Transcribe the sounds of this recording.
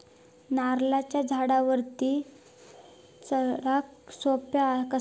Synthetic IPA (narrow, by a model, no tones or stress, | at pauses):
naɾlat͡ɕjad͡zʱaɽaʋəɾt̪iː | t͡sɾaksopjakə